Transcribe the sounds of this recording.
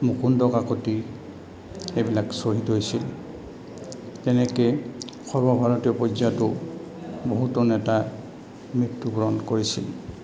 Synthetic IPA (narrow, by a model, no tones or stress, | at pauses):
mukundɔkakoti | ebilaksoɦitɦojsil | tɛnɛke | xɔɹbɔbʱaɹɔtijɔpɔzatʊ | boɦutɔnɛta | mɹitːuɡɹɔnkoɹisḭl